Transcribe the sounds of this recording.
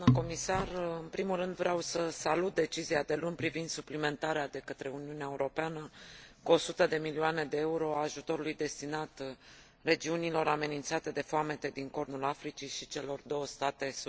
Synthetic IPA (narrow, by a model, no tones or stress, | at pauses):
nəko̞misarɨnpɾimulrɨnd̪vɾeawsəsalut̪̚d̪e̞t͡ʃiziad̪e̞lunʲpɾivind̪suplime̞nt̪aɾead̪e̞kət̪ɾe̞uniuneaeuɾo̞peanəkuo̞sut̪əd̪e̞milioane̞d̪e̞euɾo̞aːʒut̪o̞ɾulujd̪e̞st̪inat̪ | re̞d͡ʒiunilo̞ɾame̞nint̪sat̪e̞d̪e̞foame̞t̪e̞d̪iŋko̞rnulafɾit͡ʃiʃit͡ʃe̞lo̞rd̪o̞wəst̪at̪e̞s